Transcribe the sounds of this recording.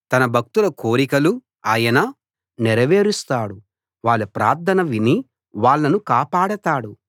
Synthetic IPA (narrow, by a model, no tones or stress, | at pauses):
t̪ɐnɐbʱɐk̚t̪ulɐkoːɾikɐlu | aːjɐnɐ | nɛɾɐʋe̞ːɾust̪aːɽu | ʋaːɭːɐpɾa̰ːɾt̪ʰɐnɐʋini | ʋaːɭːɐnukaːpaːɽɐt̪aːɽu